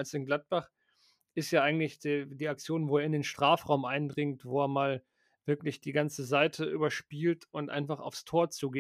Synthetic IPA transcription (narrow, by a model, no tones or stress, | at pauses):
alsɪnɡlat̚b̥aχ | ʔɪstjaːʔaɪɡŋ̩tlɪçd̥ediːak̚t͡sjoːnvoːeːɐɪndeːnʃtʁ̥aːfʁaʊmʔaɪndʁɪŋtv̥oːeːɐmaːl | v̥ɪɐklɪçd̥iːɡant͡səzaɪtʰəʔyːbɐʃpiːltʊntʔa̰ɪnfaχa̰ʊfstʰoːɐt͡suːɡeː